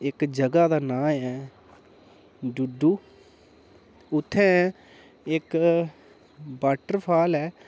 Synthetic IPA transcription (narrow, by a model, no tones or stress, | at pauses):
ɪkd͡ʒəɡaːd̪aːnãːɛː | ɖʊɖuː | ʊt̪ʰːɛ̃ː | ɪk | baːʈəɾpʰaːlɛː